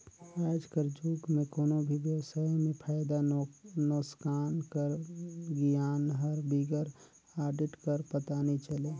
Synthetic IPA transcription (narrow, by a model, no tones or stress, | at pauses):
ajd͡ʒkəɾd͡ʒuːkmẽkoːnobʱiʋjəwsaːimẽpʰaːjd̪anoskaːnkəɾɡjaːnɦəɾbiɡəɾ | aːɾɖɪʈkəɾpət̪anit͡ʃəleː